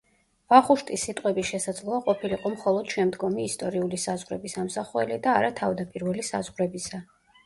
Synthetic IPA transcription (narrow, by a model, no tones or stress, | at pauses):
vaχuʃt̪ʼisːit̪ʼqʼwɛbiʃɛsad̪zlˠɔaqʼɔpʰiliqʼɔmχɔlˠɔd̪̥ʃɛmd̪ɡɔmiːst̪ʼɔɾiulisazʁɾɛbisamsaχuɛ̰lid̪aːɾat̪ʰavd̪apʼiɾvɛlisa̰zʁɾɛbisa